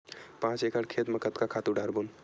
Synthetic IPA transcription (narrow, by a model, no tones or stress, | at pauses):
pãːt͡ʃekəɽkʰeːt̪məkʰət̪kakʰaːt̪uɖaːɾbun